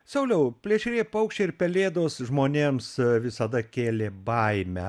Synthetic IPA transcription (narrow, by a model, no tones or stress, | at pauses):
sɐʊlʲɛʊpʲlʲiɛʃʲɾʲeːjpɐʊkʃʲt͡ʃʲeːɪɾpʲɛlʲeːd̪oːsʒmoːnʲeːmsʋʲɪsɐd̪ɐkʲeːlʲeːbɐɪmʲɛ̰